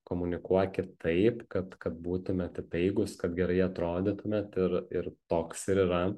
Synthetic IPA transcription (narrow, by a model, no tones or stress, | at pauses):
koːmʊnʲɪkuɔkʲɪt̪ʰɐɪpkɐt̪kɐt̪̚buːt̪ʊmʲɛt̪ɪt̪ɐɪɡʊskɐt̪ɡʲɛɾɐɪɐt̪ɾoːd̪ʲɪt̪ʊmʲɛt̪ɪɾɪrt̪oːksɪɾiːɾɐ